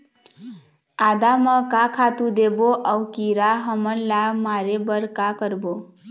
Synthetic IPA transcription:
ad̪amʌkãkʰat̪ud̪eboʔʌwkiɾaɦʌmʌnlamaɾebʌɾkakʌɾbo

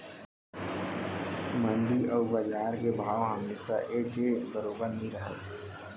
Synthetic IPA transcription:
mə̃nɖ̪iʔɔːɾbəd͡ʒaːɾkebʱaːʋɦəmesaʔekebəɾoːbanəɦĩɾəɦət̪

